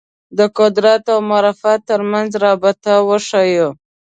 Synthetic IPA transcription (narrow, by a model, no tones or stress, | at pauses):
d̪əkʊd̪ɾat̪awmaɾɑfat̪ːəɾmanzɾɑbɪt̪awəʂajo